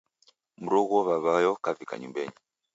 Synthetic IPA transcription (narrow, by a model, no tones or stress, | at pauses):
m̩ɾɔɣɔβaβajɔkavika̰ɲṵmbɛɲi